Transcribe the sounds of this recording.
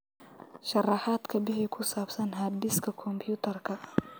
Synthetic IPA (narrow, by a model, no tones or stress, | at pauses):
ʃɑrɑħɑːd̪kʰɐbɪɦɪkʰʊsaːbsɐnɦɐːd̪ɪskʰɐkʰɔmpʰjuːt̪ʰɐrkʰɐ